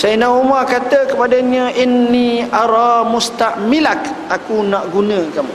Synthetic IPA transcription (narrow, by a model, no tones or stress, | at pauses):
sajənaumakat̪əkəpadaɲə̃ʔinːiaɾɑmust̪aʔmilak | akunaʔɡunə̃kamu